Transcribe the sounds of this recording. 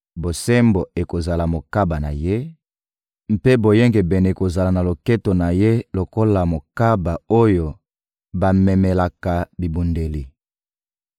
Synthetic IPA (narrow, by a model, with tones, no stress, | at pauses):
bo˨se˦mbo˨e˨ko˨za˨la˨mo˨ka˦ba˨na˨je˦ | m̩˦pe˦bo˨je˦ŋɡe˨bɛ˨ne˨ko˨za˨la˨na˨lo˨ke˦to˨na˨je˦lo˨ko˦la˨mo˨ka˦ba˨o˦jo˨ | ba˨mɛ˨mɛ˨la˨ka˨bi˨bu˨nde˨li˨